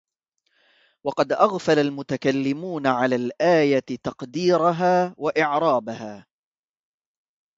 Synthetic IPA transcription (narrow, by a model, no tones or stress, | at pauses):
wɑqɑd̪ʔaɣfalalmʊt̪akalːɪmuːnaʕalaːlʔaːjat̪ɑqd̪iːɾaɦaːwaʔɪʕɾˤɑːbahaː